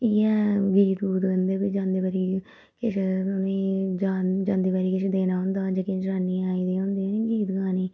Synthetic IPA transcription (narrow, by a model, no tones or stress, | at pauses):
iːɛːɡiːt̪ɡuːt̪ənd̪eːbiːd͡ʒãːnd̪eːbaːɾiː | kɪʃʰʊnẽːd͡ʒaːd͡ʒãːnd̪eːbaːɾiːkɪʃed̪eːnaːɦʊ̃ːnd̪aːd͡ʒəkĩːd͡ʒɾaːnːiːaːiːd̪iːɦõːnd̪iːniːɡiːt̪ɡaːniː